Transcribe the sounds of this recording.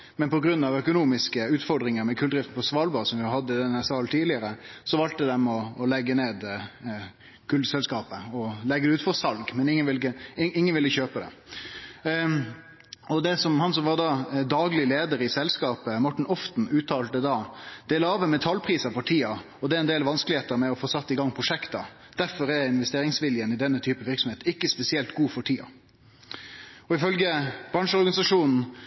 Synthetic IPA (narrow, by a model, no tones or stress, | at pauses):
mɛnpɔɡɾʉnːɑʋœkʊnuːmɪskəʉːt̪fɔɾɖ̪ʁɪŋəɾmɛkʰʉld̪ɾɪft̪n̩pɔsʋɑːlbɑːsɔmʋɪhɑd̪ːəɪd̪ɛnːæsɑːlt̪ʰiːd̪lɪəɾəsɔʋɑlt̪əd̪ɛmɔːlɛɡːəneːd̪ | kʰʉld̪sɛlskɑːpəɔlɛɡːəd̪ɛʉːt̪fɔʁsɑlɡmɛnɪŋːənʋɪlkəɪɪŋːənʋɪlːəçøːpəd̪ɛ̰ | ɔd̪ɛsɔmhɑnsɔmʋɑʁd̪ɑd̪ɑːɡlɪleːd̪əɾɪsɛlskɑːpəmɔʈːɳ̩ɔft̪n̩ʉːt̪ʰːɑːlt̪əd̪ɑːd̪̥ɛːlɑːʋəmɛt̪ʰɑlpʰɾiːsɑfɔʈʰiːɑ | ɔd̪ɛæɛnd̪eːlʋɑnskəlɪheːt̪əɾmɛɔfoːsɑt̪ːɪɡɑŋːpʰʁʊʂɛkt̪ɑ | d̪̥æɾfɔɾɛɾɪnʋɛst̪eːɾɪŋsʋɪljənɪd̪ɛnːət̪ʰyːpəʋɪɾksɔmeːt̪ɪkːəspɛsɪɛlt̪ɡuːfɔʈʰiːɑ̰ | ɔɪfœlɡəb̥ɾɑnʂəɔɾɡɑnɪsɑʂuːnn̩